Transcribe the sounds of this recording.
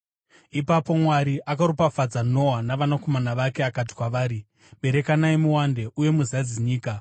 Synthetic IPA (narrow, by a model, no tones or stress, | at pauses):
ipapo̞mwaɾiʔakaɾopafad͡zano̞ɦanaʋanako̞manaʋake̞akat̬i̥kwaʋaːɾi | ɓe̞ɾe̞kanaemuwande̞ʔuje̞muzad͡ziɲiːka